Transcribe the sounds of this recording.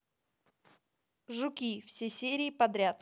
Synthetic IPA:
ʐʊkʲifsʲesʲeɾʲɪːpɐd̪ɾʲat̪

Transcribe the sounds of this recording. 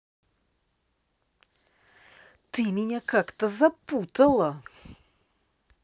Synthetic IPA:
t̪ɨmʲɪnʲakakt̪əzɐput̪əlˠə

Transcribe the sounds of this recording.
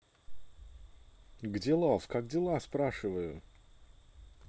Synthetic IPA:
ɡdʲelˠofkaɡdʲɪlˠaspɾaʂɨvəjʊ

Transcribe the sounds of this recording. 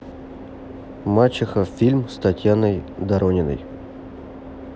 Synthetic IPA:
mat͡ɕɪxəfʲilʲmst̪atʲjanəjd̪aɾonʲɪnə̰j

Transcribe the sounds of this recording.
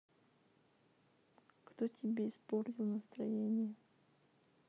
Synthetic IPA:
kt̪otʲʰɪbʲeɪspornʲɪlˠnəst̪ɾɐjenʲɪjə

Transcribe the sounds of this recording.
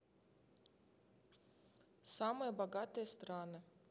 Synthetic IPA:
samɨjəbɐɡat̪ɨjəst̪ɾanɨ

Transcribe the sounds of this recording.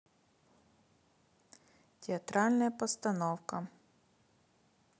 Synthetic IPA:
tʲɪɐt̪ɾalʲnɐjəpəst̪ɐnowkə

